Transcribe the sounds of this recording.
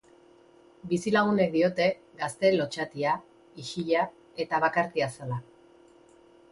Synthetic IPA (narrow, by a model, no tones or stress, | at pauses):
bisilaɣ̞une̞k̚d̪io̞t̪e̞ | ɡast̪e̞lo̞t͡ʃat̪ia | iʃiʎa | e̞t̪aβakaɾt̪iasala